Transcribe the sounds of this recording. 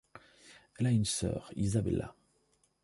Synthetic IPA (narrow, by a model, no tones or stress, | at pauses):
ɛlaynsœ̰ːʁizabɛ̰la̰